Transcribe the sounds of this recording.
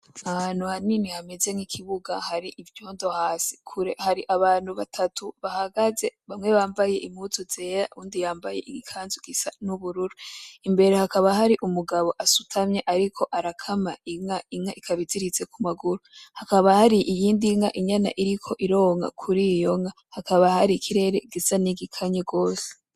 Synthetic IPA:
ahaːn̥huhaninihameze̞ŋikʰiβuɡahaɾiʔivjo̞ːndo̞haːsi̥kʰuɾe̞haɾiʔaβaːn̥huβatʰatʰuβahaɡaze̞βamŋe̞βaːmbaje̞ʔimut͡sozeːa̰uːndijaːmbaje̞̰ʔiɡikʰaːnzuɡisanuβuɾuɾuimbe̞ɾehakaβaɦaɾiʔumuɡaβo̞ʔasutʰamɲaʔaɾikʰo̞ʔaɾakʰamaiŋaiŋaʔikʰaβiziɾit͡se̞kʰumaɡuɾohakaβahaɾiʔijiːndiŋaʔiɲana̰ʔiɾikʰo̞ʔiɾo̞ːŋɡa̰kʰuɾijo̞ŋa | hakaβahaɾikʰiɾe̞ɾeɡisaniɡikʰaɲeɡo̞ːse̥

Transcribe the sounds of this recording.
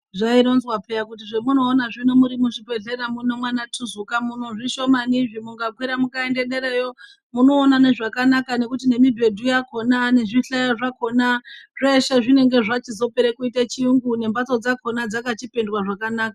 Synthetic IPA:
ʐainonzwape̞jakut̬iʐemuno̞ːnaʐinomuɾimuʐipe̞ɮe̞ɾamuno̞mwanatʰuzukamuno̞ʐiʃo̞maniʐimuŋɡakwiɾamukaende̞ɗe̞ɾejo̞ | muno̞ːnaneʐakanakane̞kutine̞mibʱe̞dʱujako̞nane̞ʐiɬajaʐako̞nare̞ʃeʐine̞ŋɡe̞ʐat͡ʃizo̞peɾekuitat͡ʃiuŋɡune̞mbat͡so̞d͡zakʰo̞nad͡zakat͡ʃipe̞ndwaʐakanaːka

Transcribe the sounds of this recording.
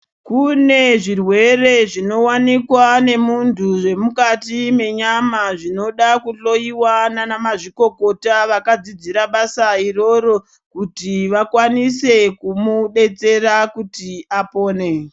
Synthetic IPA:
kune̞ʐirwe̞re̞ʐino̞wanikwane̞muntʰuʐe̞mukatime̞ɲamaʐino̞ɗakuɬo̞iwananamaʐiko̞ko̞taʋakad͡zid͡ziɾaɓasairo̞ɾo̞ | kutiʋakwanise̞kumuɗe̞t͡se̞rakutiapo̞ːne̞

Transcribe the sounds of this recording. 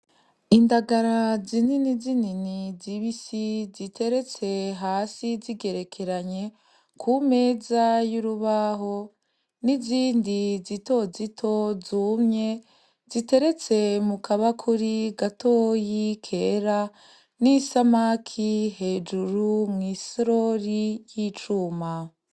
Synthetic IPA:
indaɡaɾazininizininiziβisizitʰe̞ɾe̞t͡se̞ɦaːsiziɡe̞ɾe̞kʰe̞ɾaɲe̞ | kʰume̞ːzajuɾuβaɦo̞ | niziːndizito̞zitʰo̞zumɲe̞ | z̥ite̞ɾe̞t͡se̞mukʰaβakʰuɾiɡatʰo̞ːjikʰe̞ːɾa | nisamakʰihe̞ːd͡ʒuɾumŋiːsɾo̞ɾijit͡ʃuːma

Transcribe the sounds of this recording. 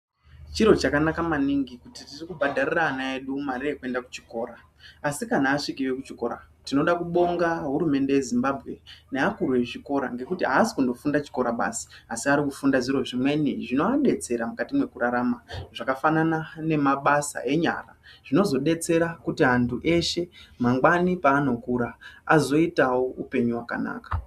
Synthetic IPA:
t͡ʃiɾo̞t͡ʃakanakamaniŋɡikutitirikubʱadʱariraːnae̞ɗumarire̞kue̞ndakut͡ʃi̥ko̞ːɾaː | sikanaːʂikiʋekut͡ʃiko̞̰ɾa̰tino̞ɗakuɓo̞ŋɡaɦuɾume̞nde̞jezimbabʱɣe̞̰ne̞akuɾueʐiko̞ɾa̰ŋɡe̞kutiɦaːsi̥kundo̞fundat͡ʃi̥ko̞ɾaɓa̰si̥asiaɾikufundaʐiɾo̞ʐimwe̞niʐino̞aɗe̞t͡se̞ɾamukatimwe̞kuɾaɾamaʐ̥akafananane̞maɓasa̰ʔe̞ɲa̰ra̰ʐ̥ino̞zo̞ɗe̞t͡se̞ɾakutiɦantʰuʔe̞ʃe̞maŋɡwanipaːno̞kuɾaazo̞itawo̞upe̞ɲuwaka̰na̰ːkḁ

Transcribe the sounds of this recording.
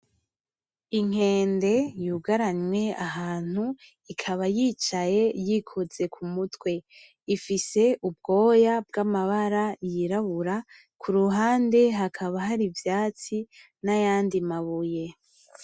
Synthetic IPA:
iŋ̥e̞ːnde̞juɡaɾaɲwe̞aɦaːn̥u | ikʰaβajiːt͡ʃaje̞jikʰoze̞kʰumutwe̞ | ifise̞ʔub̚ɡo̞ːjab̚ɡamaβaɾajiɾaβuɾa | kʰuɾuɦaːnde̞ɦakʰaβaɦaɾivjaːt͡si | najaːndimaβuje̞

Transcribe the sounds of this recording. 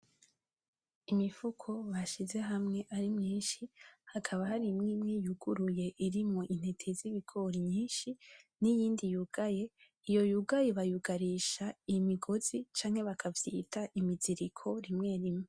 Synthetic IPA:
imifukʰo̞βaʃize̞ɦamŋe̞ʔaɾimɲiːnʃihakʰaβahaɾimŋiːmŋijuɡuɾuje̞ʔiɾimŋo̞ʔin̥he̞tʰeziβiɡʰo̞ɾimɲiːnʃinijiːndijuɡ̥aje̞ | ijo̞juɡajeβajuɡaɾiʃaimiɡo̞z̥it͡ʃaːŋhe̞βakʰavjiːtʰaʔimiziɾikʰo̞ɾimŋe̞ɾimŋe

